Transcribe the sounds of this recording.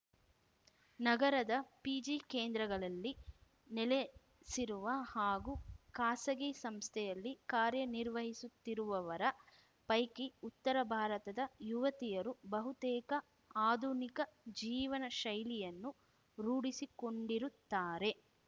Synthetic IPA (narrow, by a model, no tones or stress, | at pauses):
nɐɡɐɾɐd̪ɐpid͡ʒikeːnd̪ɾɐɡɐɭɐlːi | nɛle | siɾuʋɐhaːɡukaːsɐɡisɐmst̪ʰɛjɐlːikaːɾjɐniɾʋɐɦisut̪ːiɾuʋɐʋɐɾɐ | pɐjkiut̪ːɐɾɐbʱaːɾɐt̪ɐd̪ɐjuʋɐt̪ijɐɾubɐɦut̪ɛːkɐ | aːd̪ʱunikɐd͡ʒiːʋɐnɐʃɐjlijɐnːu | ɾuːɽisiko̞ɳɖiɾut̪ːaːɾe̞